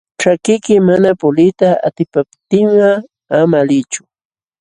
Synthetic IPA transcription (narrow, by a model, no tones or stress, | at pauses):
ʈ͡ʂakɪjkɪmanapʊlɪt̪aa̰t̪ɪpapt̪ɪɴɢɑ | amalɪt͡ʃʊ̥